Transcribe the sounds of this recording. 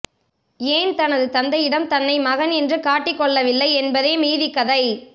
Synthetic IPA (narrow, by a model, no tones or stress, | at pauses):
eːnt̪ɐnɐðɯt̪ɐnd̪ɐɪjɪɽɐmt̪ɐnːɐɪmɐɣɐnɛndrɯkaːʈːɪkːɔɭːɐʋɪlːɐɪɛnbɐðeːmiːðɪkːɐðɐɪ